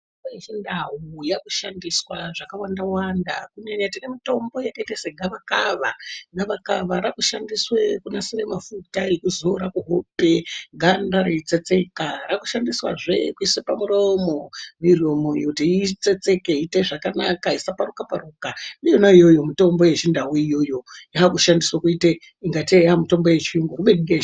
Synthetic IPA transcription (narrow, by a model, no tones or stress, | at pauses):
aet͡ʃendaɦujakuʃandiswaʐakawandawandakuneɲatinemito̞mbo̞jakaiteseɡʱaʋakaʋaɡʱaʋakaʋaɾakuʃandiswekunasiremafutajekuzo̞ɾakuɦope̞ɡʱandaɾeit͡set͡se̞karakuʃandiswa̰ʐe̞̰kuiswepamuromo̞miro̞mojokutiit͡se̞t͡se̞keiteʐakanakaisaparukaparukaijonaijo̞jo̞mito̞mbo̞je̞t͡ʃindawuijo̞jo̞jaɦakuʃandiswakuite | iŋɡateamito̞mbo̞je̞t͡ʃiuŋɡokuɓediɡe